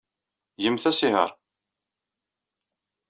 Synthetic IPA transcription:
jəmθæsihə̰ɾˤ

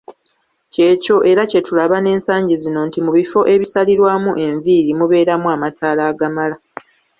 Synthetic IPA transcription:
ce̞ːco̞ʔe̞ɾace̞tulaβane̞ːnsaːɲɟizino̞ntimuβifo̞ʔe̞βisaliɾwaːmuʔe̞ɱviːɾimuβe̞ːɾamuamatʰaːlaːɡamala

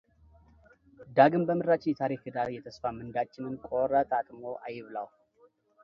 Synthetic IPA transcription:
d̪aɡɨmbəmɨɾːat͡ʃːɪjɛt̪ʰaɾikɨd̪aɾjɛt̪ʰəsfamɨnd̪at͡ʃːɪnɨnkʼoɾət̪ʼat̪ʼmo̞ʔajɪβlaw

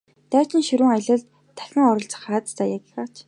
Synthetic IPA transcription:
t̪æːt͡ɕɪ̆nʃɵɾɘ̆ːŋaɮə̆ɮt̪ʰːæ̥xʲɪ̆ŋɔɾɞ̆ɬt͡sə̥̆χaːt̪t̪ʰæːjaki̥xaːt͡ɕ

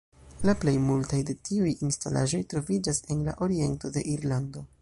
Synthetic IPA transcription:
laple̞jmultajde̞tiujinstalʔa̰ʒo̞jtɾo̞vid͡ʒase̞nla̰ʔo̞ɾie̞nto̞de̞̰ʔiɾlando̞

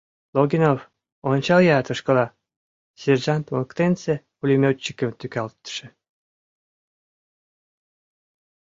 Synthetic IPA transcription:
loɡʲinof | ont͡ɕɑljɑt̪ə̆ʃkə̆lɑ | serʒɑnt̪moəkt̪ense | ulʲimʲot͡ɕːi̥kə̆mt̪ykɑlt̪ːə̥ʃĕ

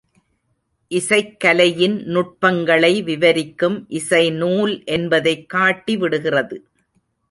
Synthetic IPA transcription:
ʔɪsɐɪkːɐlɐjɪnnʊʈ̚pɐŋɡɐɭɐɪʋɪʋɐɾɪkːɯmʔɪsɐɪnuːlʔɛnbɐðɐɪkːaːʈːiʋɪɽɯɣɪrɐðɯ

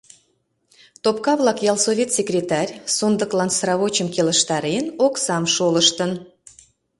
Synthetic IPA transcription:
t̪op̚kɑβlˠɑkjɑlˠsovʲet̪sʲekrʲet̪ɑrʲsond̪əklɑnsɾɑβot͡ɕəmkeləʃt̪ɑɾenoksɑmʃoləʃt̪ən

